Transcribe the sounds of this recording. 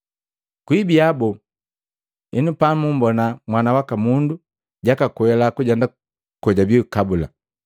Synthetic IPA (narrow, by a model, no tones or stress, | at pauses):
kwibiabɔ | ɛnupamumbɔnamwanawakamundu | ɟakakuɛlakuɟɛnda | kɔɟabiukabula̰